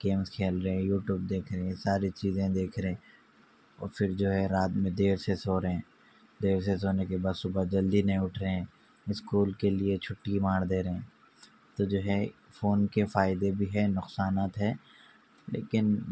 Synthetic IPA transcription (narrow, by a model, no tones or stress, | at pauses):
ɡ̥eːmskʰeːlɾɐɦɛ̃juːʈjuːb̚d̪eːkʰɾəɦɛ̃saːɾit͡ʃiːzẽd̪eːkʰɾeẽ | ɔ̰ːɾfɪɾd͡ʒoːɦɛɾaːt̪mẽd̪eːɾsesoːɾeɦɛ̃ː | d̪eːɾs̬esoːnekebaːd̪sʊbəd͡ʒɐld̪inɐĩʊʈʰɾeɦɛ̃ | ɪskuːlkeliet͡ʃʰʊʈːimaːɽd̪eːɾəɦɛ̃ː | t̪od͡ʒoːɦɛ | foːnkefaːɪd̪ebʱiɦɛnʊqsaːnaːt̪ɦɛː | lḛːkɪn